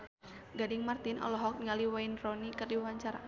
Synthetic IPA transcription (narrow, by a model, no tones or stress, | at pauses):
ɡadɪŋmart̪inʔɔ̰lɔɦɔk̚nŋaliwainrɔnikərdiwaɲt͡ʃaɾa̰